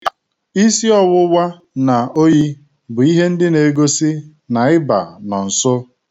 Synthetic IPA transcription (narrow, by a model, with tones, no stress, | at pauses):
i˦si˦ɔ˦wʊ˦wʷa˦ | na˨o˦ji˦ | bʊ˨i˦ɦe˦n̩˦dɪ˦ne˨˦ɡo˦si˦ | na˨ɪ˦ba̰˨nɔ˨n̩˨sʊ˦